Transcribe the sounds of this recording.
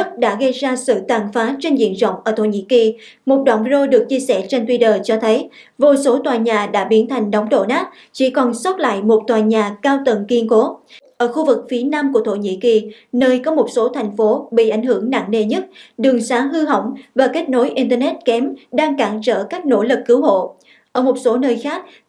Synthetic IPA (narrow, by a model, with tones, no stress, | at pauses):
t̚ɗa̰ː˧˥ɣə˧jzaː˧sɨ̰˧˨t̪waː˨˩nfaː˨˦t͡ɕe˧nzḭ˧˨ənzə̰˧˨wŋ͡mʔəː˧˩t̪ʰo˧˩ɲḭ˧˥ki˨˩ | mo˨˩t̚ɗwa̰ː˧˨˩nvi˧ɾo˧ɗɨ˨˩ək̚t͡ɕi˧əsɛ̰˧˩t͡ɕe˧nt̪wi˧t̪əː˧˩t͡ɕɔ˧t̪ʰə˨˦j | vo˨˩so˨˦t̪waː˨˩jɲaː˨˩ɗa̰ː˧˥ɓi˨˦ənt̪ʰa˨˩jŋ̟ɗə˨˦wŋ͡mɗo̰˧˨naː˦˥t̚ | t͡ɕḭ˧˩kɔ˨˩nsə˦˥t̚la̰ː˧˨jmo˨˩t̚t̪waː˨˩ɲaː˨˩kaː˧wt̪ə˨˩ŋki˧ənko˨˦ʔəː˧˩xu˧vɨ˨˩k̚fi˨˦ənaː˧mku˧˩ət̪ʰo̰˧˩ɲḭ˧˥ki˨˩nəː˧jkɔ˨˦mo˨˩t̚so˨˦t̪ʰa˨˩jŋ̟fo˨˦ɓḭ˧˨ʔa˨˧˩jŋ̟hɨ˧˩əŋna̰ː˧˨ŋne˧˩ɲə˦˥t̚ɗɨ˨˩əŋsaː˨˦ɦɨ˧ɦə̰˧˩wŋ͡mvaː˨˩ke˦˥t̚no˨˦jʔi˧nt̪əː˧nɛ˦˥t̚kɛ˨˦mɗaː˧ŋkaː˧˩ŋzə̰ː˧˩kaː˦˥k̚no̰˧˥˩lɨ˨˩kːɨ˨˦wɦo̰˧˨ | ʔəː˧˩mo˨˩t̚so˨˦nəː˧jxaː˦˥k̚